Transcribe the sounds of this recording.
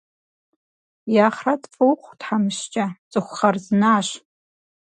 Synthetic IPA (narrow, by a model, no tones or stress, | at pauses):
jaχradfʼɨwχʷdħamɨʃt͡ʃʼat͡sʼɨχʷχarznaːʃ